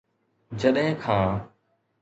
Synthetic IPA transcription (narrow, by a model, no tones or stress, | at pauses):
d͡ʒəɗɦɪ̃kʰãː